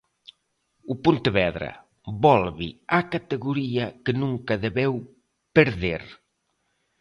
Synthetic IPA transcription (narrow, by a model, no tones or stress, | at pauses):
upunt̪eβɛðɾɐ̰ | bɔlβiakat̪eɣuɾiɐkənũŋkɐðeβɛw | peɾðeɾ